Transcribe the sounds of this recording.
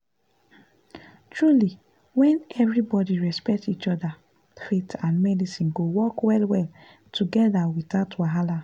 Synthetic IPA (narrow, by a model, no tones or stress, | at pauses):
tʰɹuli | wɛ̃nɛvɹibɔdiɹɛspɛk̚tit͡ʃɔda | fetãnmɛdisĩnɡowɔkwɛlwɛl | tʰuɡɛðawiðatʰwaɦala